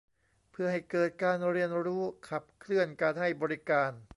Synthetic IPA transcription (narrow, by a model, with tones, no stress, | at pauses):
pʰɯ˥˩ɐha˥˩jkɤː˨˩t̪̚kaː˧nɾi˧˩ənɾuː˦˥kʰa˨˩p̚kʰlɯ˥˩ənkaː˧nɦa˥˩jbɔː˧ɾi˦˥kaː˧n